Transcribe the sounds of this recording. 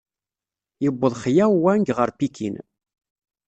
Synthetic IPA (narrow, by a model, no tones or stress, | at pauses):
jəbːəðˤχjæwːæŋɡʁəɾpikʰḭn